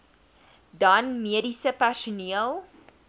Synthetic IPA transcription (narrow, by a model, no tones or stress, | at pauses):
dɐnmiədisəpæʃuniəlˠ